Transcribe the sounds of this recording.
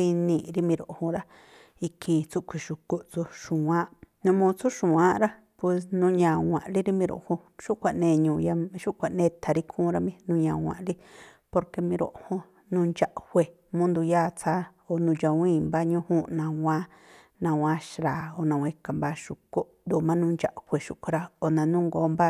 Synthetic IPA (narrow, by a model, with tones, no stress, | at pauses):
i˧nĩ˧˨ɾi˦mĩ˧ɾo˨ʔhõ˧ɾa˦ | i˧kʰi˧t͡su˦ʔkʷʰi˨ʃu˨ko˦ʔt͡su˧ʃũ˨wã˦ʔnũ˧mũ˧t͡su˦ʃũ˨ã˦ɾa˦ | pwe˧snũ˧˦ɲã˨wʷã̰˨ʔli˦ɾi˦mĩ˧ɾo̰˨ʔhõ˧ | ʃu˦ʔkʷa˨ʔnẽː˧˨ɲũː˨ja˧ʃu˦ʔkʷa˨ʔnẽː˦˧t̪ʰa˨ɾi˦kʰũː˦ɾa˧mĩ˧nũ˧ɲã˨wʷã̰˨ʔli˦ | po˧ɾke˧mĩ˧ɾo̰˨ʔhõ˦ | nũː˧nd͡ʒa˧˨ʔhʷe˨ | mũ˦nd̪u˧jaː˦˨t͡sʰa˦ | o˨nũ˧d͡ʒa˧wĩː˦˨mba˦ɲũ˦hũ˦nã˧wã˦ | nã˧wã˦ʃɾaː˨o˨nã˧wʷã˧i˦˧ka˨mba˦ʃu˧˨ko˦ʔd̪u˧˨mã˦nũː˧nd͡ʒa˧˨ʔhʷe˨ʃu˨ʔkʷʰu˧ɾa˧o˨nã˨nũ˦ŋɡoː˨˦mba˦